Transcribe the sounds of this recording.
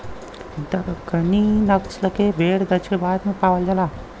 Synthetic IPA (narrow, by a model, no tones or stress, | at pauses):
d̪əɡɐninɐksləkebʱeːɽd̪ɐt͡ʃkebaːd̪mẽpaːwəld͡ʒəlaː